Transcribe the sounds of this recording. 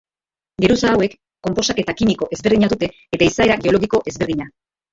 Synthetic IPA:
ɡe̞ɾusaːwe̞kː | o̞mpo̞sake̞t̪akimiko̞ʔe̞zβeɾð̞iɲaðut̪e̞ːt̪aisae̞ɾaɡe̞o̞loɣiko̞ʔe̞zβe̞ɾðiɲa

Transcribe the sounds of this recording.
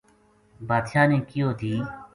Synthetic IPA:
baːd̪ʃãːnẽːkɪjoːt̪ʰiː

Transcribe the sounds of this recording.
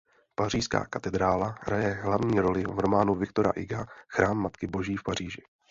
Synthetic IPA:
pariːʃska̰ːkat̪ɛd̪ɾaːlaɦɾajɛɦlavɲiːɾo̞lɪvɾo̞maːnuvɪk̚t̪o̞ɾa̰ʔɪɡaxɾaːmːat̪kɪbo̞ʒiːfpariːʒɪ

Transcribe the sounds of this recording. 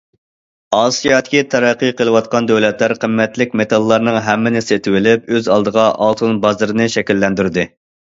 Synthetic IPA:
ɑːsijɑd̪ɪkʲit̪ʰɑɾɛqːijqəlˠɨwɑt̪̚qɑnd̪ɛwlɛt̪læɾqʰəmːɛt̪lɪk̚ʲmet̪ʰɑlˠːɑɾnɨŋɦɛmːɪnɪset̪ʰɪwɪlɪp̚øzɑlˠd̪əʁɑʔɑlˠt̪ʰɨnbɑzɨɾɨnɨʃɛkʲilːɛnd̪yɾd̪ɨ

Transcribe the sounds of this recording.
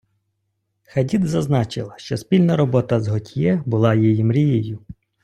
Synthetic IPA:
xɐdʲid̪zɐznɑt͡ʃɪlˠɐʃt͡ʃɔspʲilʲnɐɾɔbɔt̪ɐzɦɔtʲjɛbʊlˠɑjijimɾʲijejʊ

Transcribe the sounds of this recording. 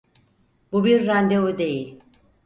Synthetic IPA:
bubiɾːænd̪evud̪e̞jilʲ

